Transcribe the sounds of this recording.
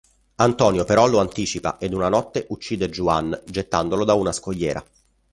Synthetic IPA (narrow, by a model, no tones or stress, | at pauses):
ant̪ɔːnjopeɾɔloant̪iːt͡ʃipa̰ʔed̪unanɔt̪ːeʔut͡ʃːiːd̪ed͡ʒuand͡ʒet̪ːand̪olod̪aunaskoʎːɛːɾa̰